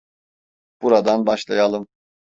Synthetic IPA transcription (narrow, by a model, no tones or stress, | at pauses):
b̥uɾad̪anbaʃlˠajalˠɯm